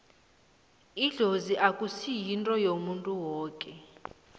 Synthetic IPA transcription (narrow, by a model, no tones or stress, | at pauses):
iɮoziʔakʼusijintʼɔjomuntʼuwɔːkʼɛ